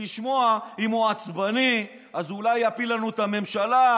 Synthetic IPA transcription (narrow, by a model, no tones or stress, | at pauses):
iʃmo̞aimoat͡sbani | azulajapilanuet̪ame̞mʃala